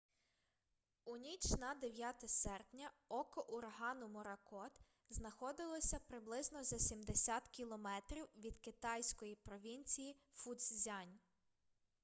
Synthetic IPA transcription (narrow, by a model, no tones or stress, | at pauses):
unʲit͡ʃnɐd̪eʋʲjat̪ɛsɛrpnʲɐ | ɔkɔʔʊɾɦɑnʊmɔɾɐkɔt̪ | znɐxɔd̪ɪlˠɔsʲɐpɾɪblˠɪznɔzɐsʲimd̪esʲat̪kʲilˠɔmɛt̪ɾʲiwʋʲid̪kɪt̪ɑjsʲkɔjipɾɔʋʲinʲt͡sʲiji | fud̪szʲɑnʲ